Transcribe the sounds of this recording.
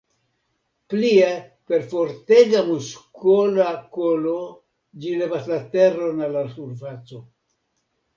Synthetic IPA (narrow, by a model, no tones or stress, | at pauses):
plie | pe̞ɾfo̞ɾteɡamuskolakolo̞ | d͡ʒilevaslate̞ro̞nalasuɾfat͡so̞